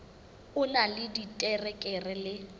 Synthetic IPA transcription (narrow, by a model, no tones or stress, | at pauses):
ʊnalɪditʼɛrɛkʼɛrɛlɪ